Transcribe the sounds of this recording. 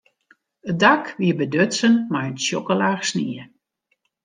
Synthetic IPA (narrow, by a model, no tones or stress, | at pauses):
ədakʋiəbədøtsənmajənsjokəlaːrsniə